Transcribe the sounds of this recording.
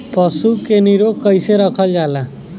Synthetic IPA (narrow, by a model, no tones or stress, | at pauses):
pəsukeniɾokəjseɾəkʰəld͡ʒala